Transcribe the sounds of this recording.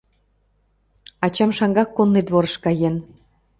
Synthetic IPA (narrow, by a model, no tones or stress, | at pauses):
ɑt͡ɕɑmʃɑŋɡɑkːonːid̪βoɾəʃkɑjen